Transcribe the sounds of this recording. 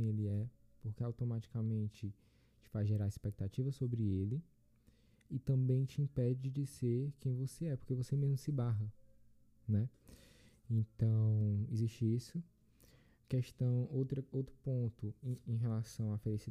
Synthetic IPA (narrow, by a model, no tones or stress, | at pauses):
eliɛpoɾkeawt̪omat͡ʃi̥kamẽnt͡ʃɪ | t͡ʃɪ̥fazʒeɾaɾispek̚t̪at͡ʃivɐsobɾɪelɪ | t̪ɐ̃bẽj̃t͡ʃiĩpɛd͡ʒɪd͡ʒɪd͡ʒizeɾkẽj̃voseɛpo̥hkevosemezmʊsɪbaɦɐ | nɛ | ẽt̪ɐ̃w̃iziʃt͡ʃɪisʊ | kɛʃt̪ɐ̃w̃ot̪ɾɐowt̪ɾʊpõnt̪ʊ̃ẽj̃ɦelasɐ̃w̃afelisi